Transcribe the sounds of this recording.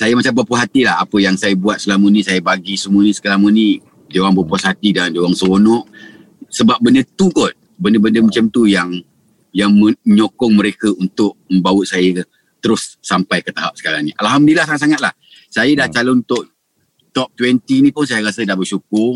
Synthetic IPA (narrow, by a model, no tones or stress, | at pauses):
sajəmat͡ʃambapəɦat̪ilaa̰pəjaŋsajəbuat̪̚səlamənĩsajəbaɡisəmuənisə̥kəlamənĩ | dewaŋbəpasat̪idandewaŋsəwonɔʔ | səbap̚ːəndət̪ukɔn̚ | bəndəbəndəmət͡ʃamt̪ujaŋ | jaŋməɲokɔŋməɾekəunt̪ʊʔ̚məmbawəʔsajə | t̪əɾʊsːampajkət̪aɦap̚sə̥kaɾaŋniʔa̰lɦamdəlahsaŋat̪saŋat̪̚lah | sajədaht͡ʃalɔnut̪ʊʔ | t̪ɔp̚t̪wɛnt̪inĩpʊnsajaɾasədahbəʃukʊr